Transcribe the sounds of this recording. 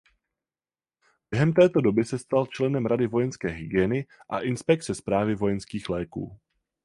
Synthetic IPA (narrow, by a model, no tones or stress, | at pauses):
bjɛɦɛmt̪ɛːt̪o̞do̞bɪsɛst̪alt͡ʃlɛnɛmɾadɪvo̞jɛnskɛːɦɪɡɪɛːnɪʔa̰ʔɪnspɛk̚t̪t͡sɛspɾaːvɪvo̞jɛnskiːxlɛːkṵː